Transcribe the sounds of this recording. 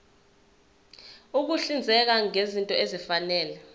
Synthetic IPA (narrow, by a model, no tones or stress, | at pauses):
uk̬uɬind͡zʱɛk̬aŋezintʼɔezifanɛːlɛ